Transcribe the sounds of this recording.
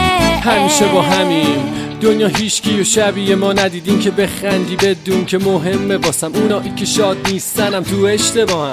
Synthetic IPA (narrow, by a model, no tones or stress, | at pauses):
hæmiːʃebɒːɦæmiːmd̪̥onjɒːɦiːʃcʰijoʃæbiːjemɒːnæd̪iːd̪iːncʰe̞be̞xænd̪iːbe̞d̪uːncʰemoɦe̞mːebɒːsæmunɒːʔiːcʰe̞ʃɒːd̪niːst̪ænæmt̪ʰueʃt̪e̞bɒːhæm